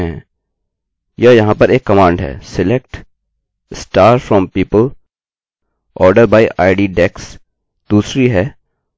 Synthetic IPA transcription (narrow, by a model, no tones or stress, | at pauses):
ɛ̃ | jɐjɐɦãpɐɾeːkːɐmãːɳɖɦɛ̰ːsɪlek̚ʈ | sʈaːɾfɾɔ̃ːmpiːpəl | ʔɔːɾɖəɾbaːɪʔaːɪɖiɖɛks | d̪uːsɾiɦɛː